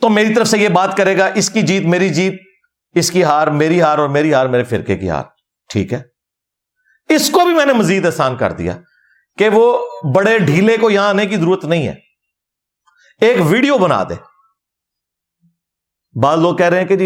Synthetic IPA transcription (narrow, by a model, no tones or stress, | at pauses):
t̪omeːɾit̪əɾəfsejebaːt̪kɐɾeːɡaʔɪskid͡ʒiːt̪meːɾid͡ʒiːt̪̚ | ɪskiɦaːɾmeːɾiɦaːɾɔːɾmeːɾiɦaːɾmeːɾefɪɾkekḭɦa̰ːɾ | ʈʰḭːkɦɛː | ɪskobʱimɛ̃ːnemɐziːd̪ɛːsaːnkɐ̰ɾd̪ḭja̰ː | keʋoːbɐɽeɖʱiːlekojɐɦãaːnek̬izəɾuːɾət̪nɐɦĩɦɛ̰ː | eːkʋiːɖijobɐna̰ːd̪ḛ̃ː | baːzloːɡ̚kɛɦɾɐɦeɦɛ̃ked͡ʒi